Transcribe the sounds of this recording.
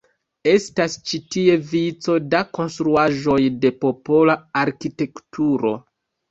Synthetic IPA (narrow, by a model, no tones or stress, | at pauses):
e̞stast͡ʃitie̞vit͡so̞dako̞nstɾuaʒo̞jde̞po̞po̞laaɾkite̞ktʰuɾo̞̰